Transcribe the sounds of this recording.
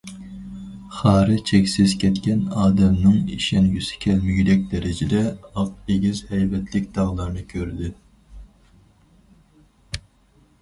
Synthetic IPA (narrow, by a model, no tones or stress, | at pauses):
χɑːɾɨt͡ʃʰɛkʲsɪzkʲʰɛt̪kʲɛnɑːd̪ɛmnɨŋiʃɛnjysɪ̥kʲʰɛlmyjylɛk̚ʲd̪ɛɾɪd͡ʒɪd̪ɛɑq̚eɡʲizhɛjvɛt̪ʰlɪkʲd̪̥ɑʁlˠɑɾnɨkʲʰøɾd̪ɪ